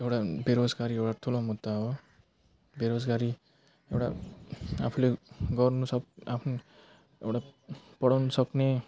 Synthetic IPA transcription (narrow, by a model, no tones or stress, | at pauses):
ewʈabeɾod͡zɡaɾiewɽat̪ʰulõmud̪aɦo | beɾod͡zɡaɾi | ewʈa̰ | a̰pʰuleɡʌrnusʌkapʰnu | ḛwʈapʌɽawnusʌkne